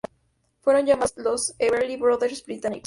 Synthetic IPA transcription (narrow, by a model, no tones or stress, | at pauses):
fweɾond͡ʒamaloseβeɾlibɾoðeɾsbɾit̪anḭk